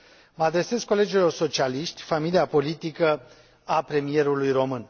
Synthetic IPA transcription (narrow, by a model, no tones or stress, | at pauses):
məad̪ɾe̞se̞skːo̞le̞d͡ʒilo̞rso̞t͡ʃialiʃt̪ʲfamiliapo̞lit̪ikə | apɾe̞mije̞ɾulujro̞mɨn